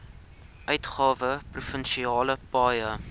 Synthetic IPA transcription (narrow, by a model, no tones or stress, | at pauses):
ʔœɥtχɑːvəprufənʃiɑːləpɑːjə